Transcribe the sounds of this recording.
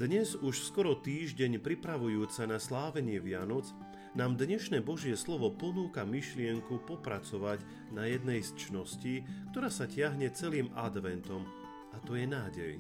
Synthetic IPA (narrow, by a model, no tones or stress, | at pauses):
d̪̥ɲɛzuʃskɔɾɔt̪iːʒɟɛɲpɾipɾaʋujuːt͡sanaslaːʋɛɲɪɛʋɪanɔd͡z | naːmd̪ɲɛʃnɛːbɔʒɪɛslɔʋɔpɔnuːkamiʃlɪɛŋkupɔpɾat͡sɔʋaɟ | najɛd̪nɛjst͡ʃnɔsciːkt̪ɔɾaːsacɪaɦɲɛt͡sɛliːmad̪ʋɛnt̪ɔm | ʔat̪ɔjɛnaːɟɛ̰j